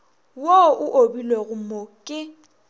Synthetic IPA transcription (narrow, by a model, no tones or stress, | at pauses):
woʔʊʔobilweɣʊmokʼɪ